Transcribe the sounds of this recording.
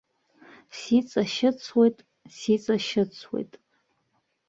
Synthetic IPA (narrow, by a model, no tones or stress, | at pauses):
sit͡sʼaʃɪt͡sʰwe̞jtʼ | sit͡sʼaʃɪt͡sʰwḛjtʼ